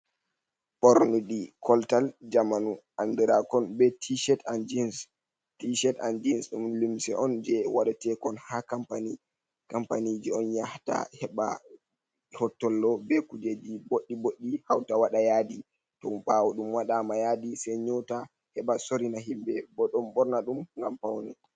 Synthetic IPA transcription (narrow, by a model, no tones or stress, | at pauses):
pɔɾnuɗikʰɔltald͡ʒamanuʔandiɾakɔnbɛtʰiʃɛtand͡ʒins | tiʃɛta̰nd͡ʒinsɗumlimsɛ̰ɔnd͡ʒɛwaɗatɛkɔnhakampani | kampanid͡ʒiɔnjahta̰hɛɓa̰ | hɔtːɔlːɔbɛkud͡ʒed͡ʒiboɗːiboɗːihawtawaɗajaːdi | tɔmɓawɔɗumwaɗamajadisɛɲɔta | hɛɓasoɾinahimbɛbɔɗɔmbɔɾnaɗumŋɡampawnɛ